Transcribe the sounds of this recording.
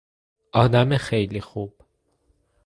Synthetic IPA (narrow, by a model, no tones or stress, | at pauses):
ɒd̪amɛxejlixub̥